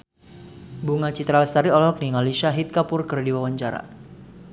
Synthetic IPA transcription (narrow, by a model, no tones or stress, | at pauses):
buŋat͡ʃit̪ɾalst̪aɾiɔlɔk̚niŋaliʃaɦit̪̚kapʊrkɨrdiwawaɲt͡ʃaɾa̰